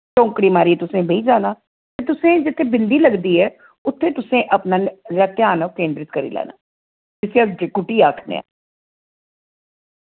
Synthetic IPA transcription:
t͡ʃɔ̃ːŋkɽiːmaːɾiːɛt̪ʊsẽːbeiːd͡ʒaːnaː | t̪eːt̪ʊsẽːd͡ʒɪt̪ʰːeːbɪnd̪iːləɡd̪iːɛː | ʊt̪ʰːẽːt̪ʊsẽːʔəpnaːnɾaːt̪ɪjaːnakẽːnɖ̪ɾɪt̪kəɾḭːlɛ̰ːna̰ː | d͡ʒɪsead͡ʒkʊʈiːaːkʰnḛã̰ː

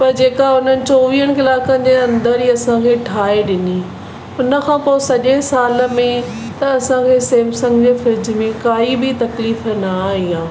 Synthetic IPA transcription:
pɐɾd͡ʑeːkaʊnənɪ̆t͡ɕoːʋiːəɽ̃̆kɪlaːkə̃nd͡ʑeːɐ̃nd̪əɾiːɐsãkʰeːʈʰaːeɗɪniː | ʊnə̆kʰãːpoːesɐʄesaːlə̆mẽ | t̪ɐɐsãkʰeːseːmsɐ̃ŋɡd͡ʑeːfɪɾɪd͡ʑmẽkaːibɪt̪ɐkliːfənaːɦĩãː

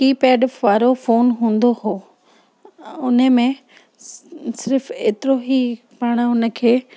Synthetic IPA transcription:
kiːpɛːɖʋaːɾofoːnɦũːnd̪oɦoː | ʊnə̆mẽ | sɪɾfeːt̪ɪɾoɦi | paːɽ̃̆ʊnə̆kʰeː

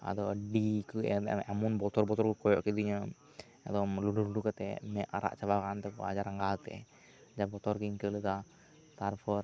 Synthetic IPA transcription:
a̰d̪ɔwɖikɨɛɛmunbɔt̪ɔɾbɔt̪ɔɾkukɔjɔʔkid̪iɲa | ɛ̰d̪ɔmluɖuluɖukat̪ɛmɛʔaɾa̰ʔt͡ʃaʋakant̪ɛkɔ̰a̰d͡ʒaɾaŋɡalt̪ɛ̰ | d͡ʒabɔt̪ɔɾkiŋkəlit̪a | t̪aɾpʰɔɾ

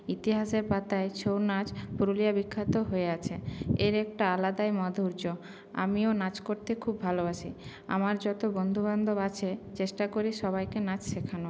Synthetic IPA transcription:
it̪iɦaʃeɾpat̪aet͡ɕownad͡ʑpuɾolijabikʰːat̪oɦoeat͡ɕʰeeɾɛk̚ʈaalad̪aemɔd̪ʱouɾd͡ʑo | a̰mionad͡ʑkoɾt̪ekʰubːʱaloaʃʰi | a̰maɾd͡ʑɔt̪obond̪ʱuband̪ʱobat͡ɕʰet͡ɕeʃʈakoɾiʃɔβajkenad͡ʑʃekʰano

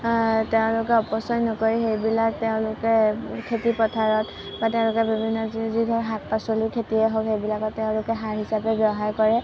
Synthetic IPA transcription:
tɛʊ̃lʊkɛɔpɔsɔjnɔkoɹixejbilak̚tɛʊ̃lʊkɛkʰetipɔtʰaɹɔt | batɛʊ̃lʊkɛbibʱinːɔzidʱɔɹɦak̚pasolikʰetiɛɦoxejbilakɔttɛʊ̃lʊkɛɦaɹɦisapɛbjɔɦaɹkɔɹɛ

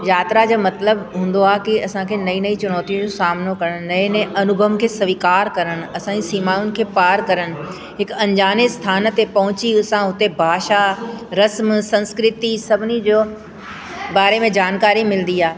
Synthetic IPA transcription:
jaːt̪ɾad͡ʑoːmɐt̪ləbɦũːnd̪oaːkiɐsãkʰenɐĩnɐĩt͡ɕʊnɔːt̪ijũd͡ʑõsaːmnokɐɾəɽ̃nɐẽnɐʔɐnʊbʱəmkʰeːsɐʋikaːɾkɐɾəɽ̃̆ɐsãd͡ʑisiːmaːjʊnɪ̆kʰeːpaːɾkɐɾəɽ̃ɪ̆ | ɦɪkɐ̃ɲd͡ʑaːnist̪ʰaːnt̪epɐɦʊ̃t͡ɕiʊsãɦʊt̪ebʱaːʃaɾɐsmsɐ̃nskɾɪt̪isɐbʱɪnid͡ʑoː | baːɾemẽd͡ʑaːnkaːɾimɪlnd̪iaː

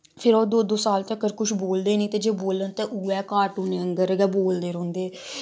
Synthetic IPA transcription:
pʰɪɾoːd̪oːd̪oːsaːlt̪eəkəɾkʊʃboːld̪eːnĩːt̪eːd͡ʒeːboːlənt̪eːʔuːɛːkaːʈuːneːəŋɡəɾɡɛːboːld̪eːɾõːnd̪eː

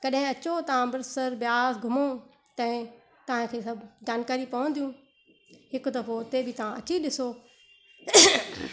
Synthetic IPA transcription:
kɐɗɦɪ̃ɐt͡ɕot̪ɐãbɐɾsəɾbɪjaːsɡʱʊmo | t̪ɐ̃ɦɪ̃ | t̪ɐʋãkʰeːsɐbd͡ʑaːnkaːɾipɐʋə̃nd̪ijũː | hɪkd̪ɐɾfot̪ebʱɪt̪ɐʋãɐt͡ɕiɗɪsoː

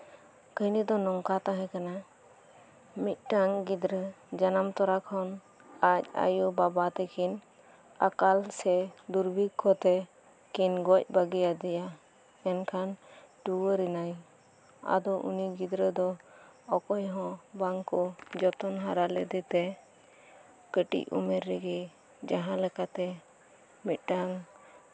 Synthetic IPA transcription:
kəjnid̪ɔnɔŋkat̪aɦɛ̃kana | mit̪̚ʈaŋɡid̪ɾə | d͡ʒanamt̪ɔɾakʰɔn | ac̚a̰jubabat̪ɛkʰin | a̰kalsɛd̪uɾbʱikʰːɔt̪ɛ | kinɡɔc̚baɡɛjad̪ɛja | ɛnkʰanʈuwəɾɛnaj | a̰d̪ɔʔṵniɡid̪ɾəd̪ɔɔkɔjɦɔ̃baŋkɔd͡ʒɔt̪ɔnɦaɾalɛd̪ɛt̪ɛ | kəʈḭcṵmɛɾːɛɡɛ | d͡ʒaɦãlɛkat̪ɛ | mit̪̚ˀɖaŋ

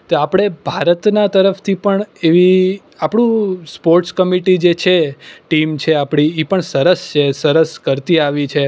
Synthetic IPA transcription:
t̪oapɽ̃ebʱaɾət̪nat̪əɾəft̪ʰipəɳeʋi | apɽ̃ũspoɾʈskəmiʈid͡ʒet͡ʃʰeʈimt͡ʃʰeapɽ̃iipəɳsəɾəst͡ʃʰesəɾəskəɾt̪iaʋit͡ʃʰe

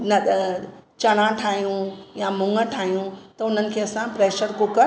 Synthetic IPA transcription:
nɐ | t͡ɕɐɽ̃ãʈʰaːɦijũjamʊ̃ŋɡəʈʰaːijũt̪ɐʊn̤ənɪ̆kʰeːɐsãpɾeːʃəɾkokɐɾ

